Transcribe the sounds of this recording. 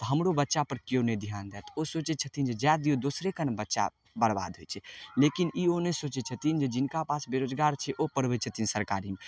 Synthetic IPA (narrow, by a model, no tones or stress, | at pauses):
t̪əɦəmɾobətːʃapəɾkjoned̪ʱijaːnd̪ɛːt̪osoːt͡ʃɛt͡ʃʰət̪ʰind͡ʒed͡ʒjad̪iod̪osɾekənbətːʃa̰ | bəɽba̰ːd̪ʱɦojt͡ʃʰɛlekinionesoːt͡ʃɛt͡ʃʰət̪ind͡ʒed͡ʒɪnkapasbeɾod͡ʒɡaːɾt͡ʃʰɛʔopəɾbət͡ʃʰət̪insəɾkaːɾim